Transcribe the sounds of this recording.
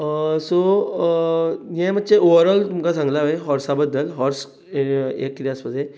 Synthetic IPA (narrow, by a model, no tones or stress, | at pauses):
so | jɛ̃mət̪ːɕeoʋəɾəlt̪umkasãŋɡlaʋəjɦɔɾsabəd̪ːəlɦɔɾs | ḛkːɾjaspəd̪ʱẽ